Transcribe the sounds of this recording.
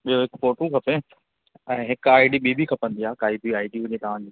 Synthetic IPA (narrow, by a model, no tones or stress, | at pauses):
ɓijoɦɪkfoːʈũkʰɐpe | ɛ̃ːɦɪkaːɪɖiɓibikʰɐpə̃nd̪iaːkaːibiaːɪɖiɦʊ̃ɲet̪ɐʋ̤ãd͡ʑiː